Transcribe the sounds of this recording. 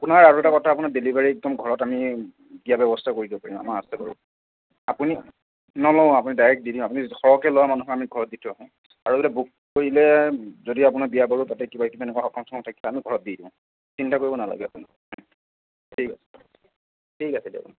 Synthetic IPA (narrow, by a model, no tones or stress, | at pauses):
apʊnaɹaɹuɛtakɔtʰaːp̬unadelibaɹiɛk̚dɔmɡʱɔɹɔtami | biabɛbɔstʰakoɹidibɔpaɹĩma̰maasɛba̰ɹṵ | apuni | nɔlɔʊ̃apunidajɹɛk̚t̚didĩap̬unixɔɹɔkɛlɔwamanuxɔamiɡʱɔɹɔt̚ditʰɔaɦɔ̃ | aɹubelabuk̚ | koɹilɛzodiapʊnabijabaɹutatɛkibakibaɛnɛkwaxɔkɔmsʰɔkʰɔ̃tʰakiamiɡʱɔɹɔt̚didĩʊ̃ | sintakoɹibɔnala̰ɡɛapuni | tʰikasɛ̥ | tʰikasɛdḛbɔ̰̃n